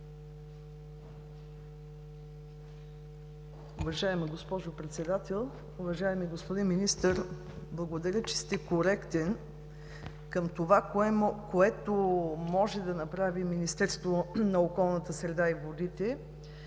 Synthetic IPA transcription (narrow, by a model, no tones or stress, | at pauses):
ʊvɐʒaɛmiɡospɔʒopɾɛt̪sɛd̪at̪ɛlˠ | ʊvɐʒaɛmiɡospod̪inminist̪əɾ | blˠɐɡod̪ɐɾʲət͡ʃɛ̥st̪ɛkoɾɛkt̪ɛn | kəmt̪ovakoɛt̪omɔʒɛd̪ɐnɐpɾaviminist̪ɛɾst̪vonɐokɔlˠnət̪əsɾɛd̪aivod̪it̪ɛ